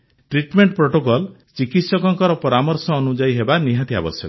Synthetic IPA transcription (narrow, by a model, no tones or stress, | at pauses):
ʈɾiʈmeɳʈpɾoʈokɔlt͡ʃikit̪sɔkɔŋkɔɾɔpɔɾamɔɾsɔːnud͡ʒajɦebaniɦãt̪ia̰bɔsjɔ̰kɔ